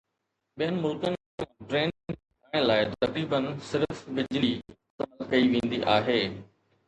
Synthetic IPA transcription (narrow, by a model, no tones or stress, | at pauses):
ɓijənɪ̆mʊlkənɪ | ẽɖɾẽːnpaːɽ̃laːɪt̪ɐkɾiːbənsɪɾfbɪd͡ʑli | sɐlkɐiʋẽːn̆d̪iʔaːɦeː